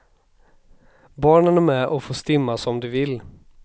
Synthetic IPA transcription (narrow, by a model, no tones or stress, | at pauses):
bɑːɳənæɾmɛʔɔfoːst̪ɪmːasɔmd̪ɵvɪlː